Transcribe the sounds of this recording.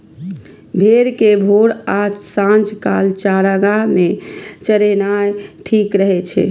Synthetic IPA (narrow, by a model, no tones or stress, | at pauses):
bʱeɾkebʱoɾad͡ʒsãnd͡ʒkalt͡ʃaɾəɡamet͡ʃəɾenajʈʰikɾəɦɛt͡ʃʰɛ̰